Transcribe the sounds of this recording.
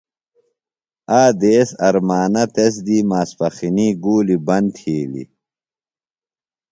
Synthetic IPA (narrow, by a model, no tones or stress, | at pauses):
aːd̪eːsɐɾmaːnɐt̪es̬d̪iːmaːspɐxiniːɡuːlibɐnt̪ʰiːlḭ